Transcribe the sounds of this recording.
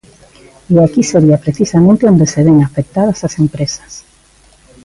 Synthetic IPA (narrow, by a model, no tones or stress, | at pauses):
iakiseɾiɐpɾeθisamẽnt̪eõnd̪eseβeŋafek̚t̪aðɐsasempɾesɐ̥s